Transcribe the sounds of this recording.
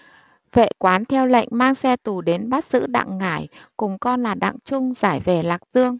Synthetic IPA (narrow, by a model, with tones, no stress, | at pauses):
vḛ˧˨kwaː˨˦nt̪ʰɛ˧wlə̰˧˨jŋ̟maː˧ŋsɛ˧t̪u˨˩ɗe˨˦nɓaː˦˥t̚z̥ɨ̰˧˥ɗa̰˧˨ŋːaː˧˩jkʊ˨˩ŋ͡mkɔ˧nlaː˨˩ɗa̰ː˧˨ŋt͡ɕʊ˧ŋ͡mzaː˧˩jve˨˩laː˨˩k̚z̥ɨ˧əŋ